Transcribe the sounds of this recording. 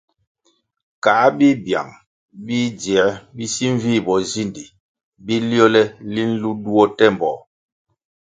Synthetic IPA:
ka˨˦bi˦bja̰˨ŋ | bi˦d͡ʒɛ˨˦bi˦si˦ɱ˦vi˦˨bɔ˨zi˦ndi˨ | bi˦ljo˦lɛ˦li˦n̩˦lu˦du˦ɔ˦tɛ˦˨m˨bɔ̰˨

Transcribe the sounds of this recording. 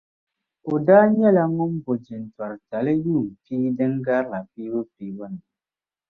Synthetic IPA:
o˨da˦ɲ˦ɛ˦˨la˦ŋo˦m˦bo˨d͡ʒi˨n˨ta˨ɾta˨le˦juː˦˨pi˦de˦ŋɡa˦la˨pi˦bə˦pi˨wə˦˨n˨

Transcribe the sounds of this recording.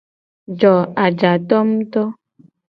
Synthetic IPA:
d͡ʒɔ˨a˨d͡ʒa˨t̪ɔ˦m̩˦t̪ɔ˦

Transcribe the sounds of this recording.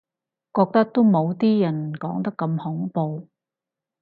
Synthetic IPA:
kɔː˧k̚t̪ɐ˥k̚t̪o˥mo˨˧wt̪iː˥jɐ˨˩nkɔː˨˥ŋt̪ɐ˥kːɐ˧mhʊ˨˥ŋpo˨˧w

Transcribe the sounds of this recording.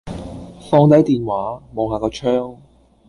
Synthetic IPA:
fɔː˧ŋt̪ɐ˨˥jt̪iː˨nwaː˨˥mo˨˩whaː˨˧kɔː˧t͡ʃʰœː˥ŋ

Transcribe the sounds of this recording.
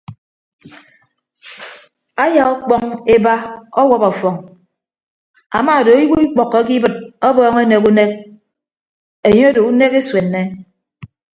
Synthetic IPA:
a˦ja˨ɔ˦k͡pɔ˦ŋe˦ba˦ɔ˦wɔ˦pɔ˨fɔ˨ŋ | a̰˨maː˨do˨˦i˦wu˦i˦k͡pɔ˨kːɔ˦ki˦bɨ˨t̚ɔ˦bɔː˦ŋe˦ne˨ku˦ne˦k̚ | e˨ɲo˦do˨u˦ne˦ke˦swe˨nːe˦

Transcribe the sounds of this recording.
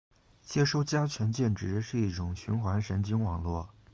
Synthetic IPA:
t͡ɕjɛ˥ʂo˥˧ʊt͡ɕja˥t͡ɕʰɥɛ˧˥nt͡ɕjɛ˥˩nʈ͡ʂɻ̩˧˥ʂɻ̩˥˧i˥˩ʈ͡ʂʊ˨˩ŋɕy˧˥nxwa˧˥nʂə˧˥nt͡ɕi˥ŋwɑ˨˩ŋlwɔ˥˩

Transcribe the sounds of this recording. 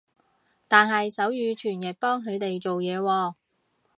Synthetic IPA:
t̪aː˨nɦɐ˨jsɐ˨˥wjyː˨˧t͡ʃʰyː˨˩njɐ˨t̚pɔː˥ŋɦɵ˨˧t̪e˨jt͡ʃo˨wjɛː˨˧wɔː˧

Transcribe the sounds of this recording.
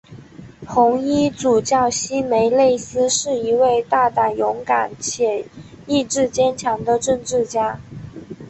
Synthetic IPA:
pʰʊ˧˥ŋi˥t͡su˨˩t͡ɕjɑ˥˩ʊɕi˥me˧˥ɪle˥˩ɪsɹ̩˥ʂɻ̩˥˩i˧˥we˥˧ɪt̪a˥˧t̪a˥˩jʊ˧˥ŋka˨˩˦nt͡ɕʰjɛ˨˩ | i˥˧ʈ͡ʂɻ̩˥˩t͡ɕjɛ˥nt͡ɕʰjɑ˧˥ŋd̪ə˧ʈ͡ʂə˥˧ŋʈ͡ʂɻ̩˥˩t͡ɕja˥

